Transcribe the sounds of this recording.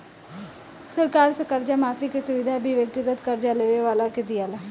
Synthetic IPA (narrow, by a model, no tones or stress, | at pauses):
səɾkaːɾsəkəɾd͡ʒamaːfikesʊʋɪd̪ʱabʱiʋjək̚t̪ɪɡət̪kəɾd͡ʒaleːʋeʋaːlakɪt̪ɪjaːlaː